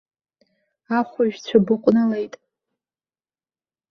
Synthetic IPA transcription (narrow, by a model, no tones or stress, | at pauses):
aχʷʊʒᶣt͡ɕʷʰabɨqʷʼnalejtʼ